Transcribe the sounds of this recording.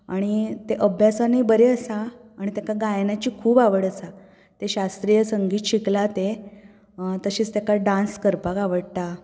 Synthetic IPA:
aɽ̃it̪eʔəbʱjasaniːbəɾeəsaaɽ̃it̪akaɡajnat͡ɕiːkʰuːbaʋəɽəsa | t̪eɕast̪ɾijəsəŋɡiːt̪ɕiklat̪e | t̪əɕiːt͡st̪akaɖãnskəɾpakaʋəɽt̪a

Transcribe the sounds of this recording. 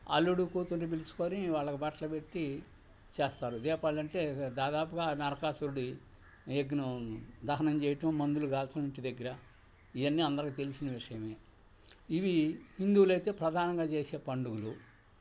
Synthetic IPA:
ɐ̰lːuɽukuːt̪unɖibilisu̥koːniʋaːɭːɐkibɐʈlɐpe̞ʈːi | t͡ʃeːst̪aːɾud̪ɛːpaːɭɐɳʈe̞ːd̪aːd̪aːpuɡaːnɐɾɐkaːsuɾuɽi | eɡnud̪ɐɦɐnɐmt͡ʃɛːjɐʈɐmːɐnd̪uluɡaːlt̪ɐmiɳʈid̪ɐɡːɐɾɐ | iʋɐnːiɐnd̪ɐɾɐkit̪elisinɐʋiʂɐjɐme̞ː | iʋihind̪uːlɐjt̪e̞ːpɾɐd̪ʱaːnɐŋɡaːt͡ʃeːse̞ːpɐɳɖuɡulu

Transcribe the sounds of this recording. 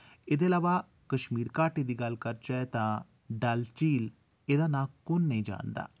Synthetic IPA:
ɪd̪eɐlaːʋaː | kəʃmiːɾkaːʈed̪iːɡəlkəɾt͡ʃat̪ãː | ɖalt͡ʃiːl | ed̪aːnãːkʊnːəĩːd͡ʒa̰ːnd̪a̰ː

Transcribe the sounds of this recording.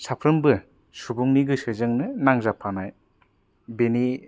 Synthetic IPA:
sapʰɾɯmbɯ | subuŋniɡɯsɯzɯŋnɯnaŋzapʰanaj | beni

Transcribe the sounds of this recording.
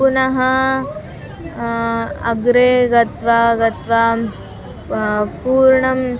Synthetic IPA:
unɐɦɐ | ɐ̰ɡɾeːɡɐt̪ʋaːɡɐt̪ʋa | puːɾɳɐm

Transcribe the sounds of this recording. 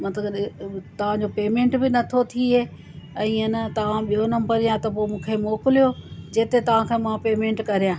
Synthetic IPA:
mɐt̪ləɡt̪ɐʋ̤ãd͡ʑopeːmẽːɳʈbɪnɐt̪ʰot̪ʰiɦeː | ɛ̃ːɐnɐt̪ɐʋ̤ãɓijɦonɐ̃mbəɾijãt̪ɐpoːmũːkʰemoːkɪlijod͡ʑeːt̪et̪ɐʋ̤ãkʰẽːmãpeːmẽːɳʈkɐɾijãː

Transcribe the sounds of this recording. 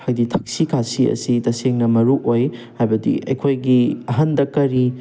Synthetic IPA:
hajditʰɐk̚sikʰasiɐ̰sitɐseŋnɐmɐɾuʔojhajbɐdḭɐjkʰojɡiɐɦɐndɐkɐɾi

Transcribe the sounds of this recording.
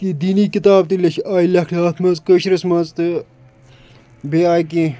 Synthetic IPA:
kid̪iːniːkit̪aːbt̪ilʲɐʃaːilʲɐkʰlʲaːt̪ʰmɐzkəʃɾɐsmɐzt̪ɨ | beaːjkĩː

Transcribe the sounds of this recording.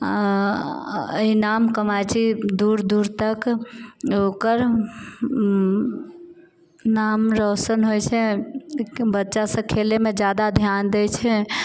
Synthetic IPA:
a | inamkəmajt͡ʃʰid̪uɾd̪uɾt̪ək | okəɾ | namɾosənɦojt͡ʃʰɛ | bətːʃasə̃kʰelemed͡ʒjad̪ad̪ʱjand̪et͡ʃʰɛ

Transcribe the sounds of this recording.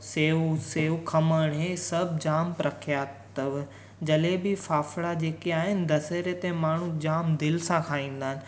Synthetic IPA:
seːuseːukʰɐməɽɦẽsɐbʱd͡ʑaːmpɾɐkʰijat̪ɐʋ | d͡ʑɐlebɪfaːflad͡ʑeːkeaːɦɪnɪ̆d̪ɐseːɾet̪ẽmaːɳ̤ũd͡ʑaːmd̪ɪlsãkʰaːĩːn̆d̪aːɦɪnɪ̆

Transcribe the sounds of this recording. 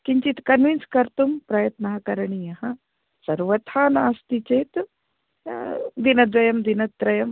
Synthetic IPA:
kiɲt͡ʃit̪kɐnʋinskɐɾt̪umpɾɐjɐt̪nɐɦɐkɐɾɐɳijɐɦɐ | sɐɾʋɐt̪ʰaːnaːst̪it͡ʃeːt̪ | d̪inɐd̪ʋɐjɐmd̪inɐt̪ːɾɐjɐm

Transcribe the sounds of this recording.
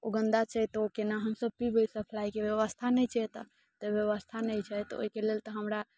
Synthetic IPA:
oɡə̃nd̪at͡ʃɛt̪okenaɦəmsəb̚pibəjsəpʰlaikebjəʋəst̪ʰanɛjt͡ʃʰɛt̪ | t̪əbjəβəst̪ʰanɛjt͡ʃʰɛt̪ɔo̰ɦikelelt̪ɔɦəmɾa

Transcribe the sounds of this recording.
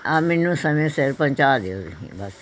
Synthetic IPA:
amenːũːsəmẽːseɾpəɲʲt͡ʃaːd̪eoːd̪ɦḭ̃ːbəs

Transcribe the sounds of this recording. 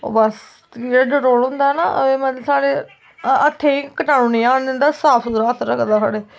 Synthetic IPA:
o̰ːbəs | eaɖəɾoːlɦʊ̃nd̪aːɛnaːʔə̰eːmət̪saːɽeː | ət̪ʰːeːikəʈaːnũːnĩːaːnd̪ɪnd̪aːsaːpʰuɾaːt̪ʰɾəkʰd̪aːsa̰ːɽeː

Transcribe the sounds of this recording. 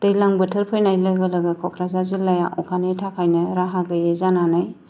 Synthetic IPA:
tejlaŋbɯtʰɯɾpʰɯjnajlɯɡɐlɐɡɐkʰɔkʰɾazazilːajaʔɔkʰanetʰakʰajnɐɾaɦaɡɯjezananaj

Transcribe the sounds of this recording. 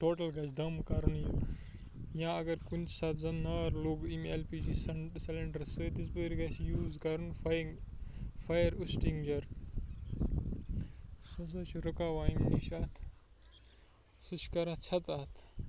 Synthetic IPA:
ʈoːʈɐlɡɐt͡ʃd̪ɐmkɐɾnju | jãːɐɡɐɾkunt͡ʃʰsɐt̪zɐnːaːɾluːɡimelpiːd͡ʒisɐsɐlɐɳɖɐɾsɨd̪is̬bəɾɡɐsjuːzkɐɾɨnfŋfɐjɐɾusʈiŋɡd͡ʒɐɾ | sɐs̬ɐt͡ʃʰɾɐkaːʋaːimniʃaːt̪ʰ | sɨʃkɐɾat̪t͡ʃʰɐt̪ɐt̪ʰ

